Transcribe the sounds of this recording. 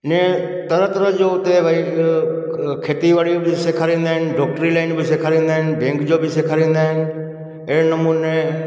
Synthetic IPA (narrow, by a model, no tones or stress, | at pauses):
ɪnẽ | t̪ɐɾət̪ɾəd͡ʑoʊt̪eʋəi | kʰeːt̪iʋaɽibɪseːkʰaːɾĩːn̆d̪aːɦɪnɪ̆ɖɔːk̚ʈɾilaːɪnbɪseːkʰaːɾĩːn̆d̪aɦɪnɪ̆bẽːŋkd͡ʑobʱɪseːkʰaɾĩːnd̪aːɦɪnɪ̆ | ɪɦnɐmuːne